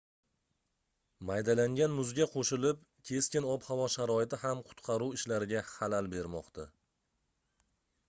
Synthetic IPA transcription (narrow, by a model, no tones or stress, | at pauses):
majd̪alaŋɡʲanmʊzɡʲaqʰoʃɪlɪp | kʲʰe̞skʲɪnɒphavɒʃaɾɒɪt̪ʰɪhamqʰʊ̥t̪qʰɑɾuwɪʃlaɾɪɡʲahalalbe̞ɾmɒ̰qt̪ʰa